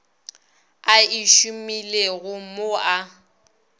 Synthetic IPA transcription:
aiʃumileɣʊmoa

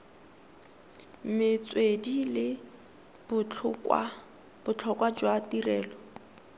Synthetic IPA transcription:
m̩mɪt͡swedilɪ | bʊ | b̥ʊt͡ɬʰɔkwad͡ʒwatirɛːlɔ

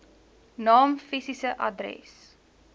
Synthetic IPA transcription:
nɑːmfisisəʔɐ̰drɛ̰s

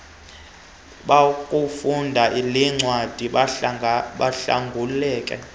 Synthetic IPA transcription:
ɓakʼufundʱaʔiliŋ͡ǀwad̥ʱi | ɓaɬa̰ŋɡʱulɛːkʼɛ̰

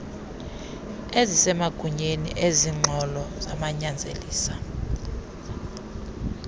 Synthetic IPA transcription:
ezisɛmaɡ̥ʱuɲenḭʔeziŋ͡ǃʱɔlɔz̥amaɲand͡zʱḛliːsa

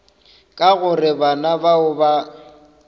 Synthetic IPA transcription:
kʼaɣʊrɪbanabaʊba

